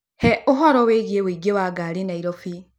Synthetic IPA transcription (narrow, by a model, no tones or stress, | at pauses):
hɛoɦɔɾɔweɣiewiɡewaɡaɾenaiɾɔfi